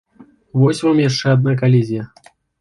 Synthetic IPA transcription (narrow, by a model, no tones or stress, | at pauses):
vɔsʲvamjaʂt͡ʂɛad̪̚nak̬alʲezʲijɐ